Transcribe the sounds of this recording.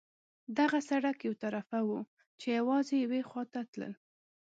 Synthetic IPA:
d̪aɣasaɽakjawt̪aɾafawu | t͡ʃejawɑzejawexwɑt̪at̪lə̰l

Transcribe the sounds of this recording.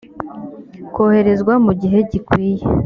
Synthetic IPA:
ko̞ːhe̞ɾe̞zɡwamuɟiɦe̞ɟikwiːje

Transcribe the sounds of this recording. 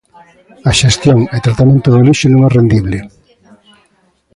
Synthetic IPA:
aʃest̪joŋet̪ɾat̪amẽnt̪ʊðoliʃenõŋɛrend̪iβlɪ

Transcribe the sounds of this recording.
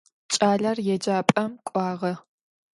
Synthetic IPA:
t͡ʃʼaːɮɐrjɛd͡ʒaːpʼɐmkʷʼɑːʁɐ

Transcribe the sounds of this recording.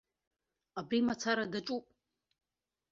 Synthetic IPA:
abɾimat͡sʰaɾadaʈ͡ʂʼupʼ

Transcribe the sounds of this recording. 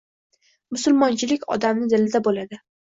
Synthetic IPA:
mʊsʊlˠmɒnt͡ʃʰɪlɪkʲɒ̰d̪amnɪd̪ɪlɪd̪abolad̪ɪ

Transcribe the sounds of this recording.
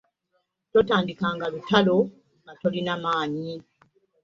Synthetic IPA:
totaːndikaːŋɡalutalo | ɡatolinamaːɲi

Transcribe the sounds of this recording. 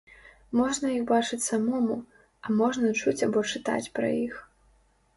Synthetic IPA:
mɔʐnɐjixbat͡ʂɨt͡sʲsamɔmu | ɐmɔʐnɐt͡ʂut͡sʲabɔt͡ʂɨt̪a̰t͡sʲpɾɐ̰jix

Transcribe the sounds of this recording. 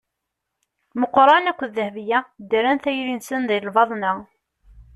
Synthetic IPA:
məqːɾˤɑnækʷːðəhvjæd̪əɾænθæjɾinsənðˤijlvɑðˤnə

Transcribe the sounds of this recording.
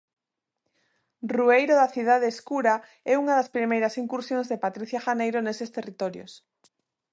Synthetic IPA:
ruejɾoðaθiðaðeːskuɾa | ɛuŋaðaspɾimejɾasiŋkuɾsjõŋzðepat̪ɾiθjaʃanejɾonesest̪erit̪ɔɾjo̰s

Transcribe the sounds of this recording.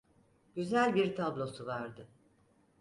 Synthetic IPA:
ɟ̥yzælʲbiɾt̪ʰablˠo̞suvaɾd̪ɯ

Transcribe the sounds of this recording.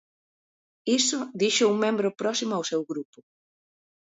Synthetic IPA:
isʊðiʃouŋmẽmbɾʊpɾɔsimʊawsewɣɾupʊ

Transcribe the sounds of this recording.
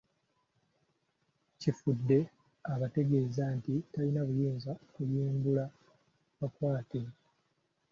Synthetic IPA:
cifudːe̞ | aβate̞ɡe̞ːzantitalinaβujiːnzaokujiːmbula | βakwaːte̞

